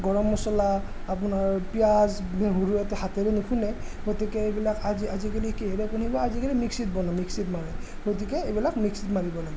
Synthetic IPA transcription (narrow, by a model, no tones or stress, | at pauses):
ɡɔɹɔmːɔsɔla | apʊnaɹpijazɦuɹujatɛɦatɛɾɛnukʰunɛ | ɡotikɛebilakaziazikalikeɦɛɾɛpunibɔazikalimiksit̚bɔnamiksitmaɹɛ | ɡot̬ikɛebilakmiksitmaɹibɔlaɡɛ